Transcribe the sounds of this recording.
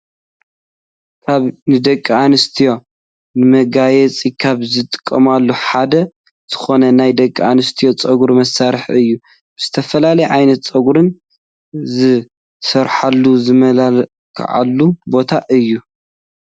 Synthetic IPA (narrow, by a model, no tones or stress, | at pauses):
kʰaβnɨd̪ɐkʼːianɨst̪ʰijo̞ | nɨmɐɡajɛt͡sʼikʰaβzɨt̪ʼɨ̥kʼːɐmalːuħad̪ɐ | z̥ɨ̥xo̞nɐnajd̪ɐkʼːanɨst̪ʰijo̞t͡sʼɐɡɾmɐsːaɾħɨjːu | b̥ɨz̥ɨt̪ʰɐfɐlalɐjɛʕajnɐt̪t͡sʼɐɡuɾɨn | zɨ | sɐɾħalːuzɨmɐlal | kʰʕa̰lːubo̞t̪ʰaʔɨjːu